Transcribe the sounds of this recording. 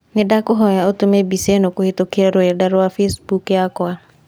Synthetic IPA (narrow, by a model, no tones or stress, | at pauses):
nedakoɦɔjaotomebisenokohetokeaɾoɛdaɾwafesbukjakwa